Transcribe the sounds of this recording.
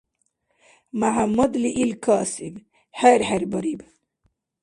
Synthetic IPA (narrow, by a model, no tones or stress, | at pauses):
maɦamːud̪liʔilkaːsib | heɾheɾbɐɾib